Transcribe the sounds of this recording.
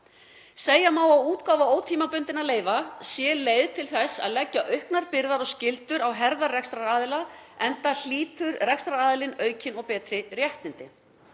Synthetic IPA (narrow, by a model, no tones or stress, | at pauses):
seːjamaːwawuːt̪kaːwvaoːwt̪ʰiːmapʏnt̪ɪnaleːjvasjɛleːjðt̪ʰɪlθɛsa̰ðlɛcːaʔœɥhknaɾpɪɾðaɾɔɣscɪlt̪ʏɾawɦɛɾðarɛkst̪ɾaaːðɪlaɛnt̪al̥iːt̪ʏɾrɛkst̪ɾaaːðɪlɪnœːɥcɪnɔɣpɛːt̪ɾɪrjɛht̪nɪnt̪ɪ